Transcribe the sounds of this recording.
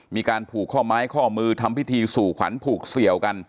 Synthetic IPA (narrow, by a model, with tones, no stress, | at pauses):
miː˧kaː˧npʰuː˨˩kʰːɔː˥˩maː˦˥jkʰɔː˥˩mɯː˧t̪ʰa˧mpi˦˥t̪ʰiː˧suː˨˩kʰa̰˩˦npʰuː˨˩k̚si˨˩əwka˧n